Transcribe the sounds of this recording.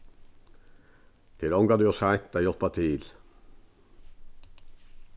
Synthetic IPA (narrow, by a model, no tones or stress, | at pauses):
t̪ʰɪlɔŋɡɑd̪ʉːosæɪt̪d̪æjɔt̪̚bɑt̪ʰiːl